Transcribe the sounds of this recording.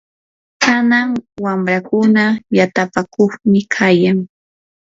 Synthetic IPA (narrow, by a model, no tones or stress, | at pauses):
kanaŋwamɾakʊnajat̪apakoχmɪkʰajaŋ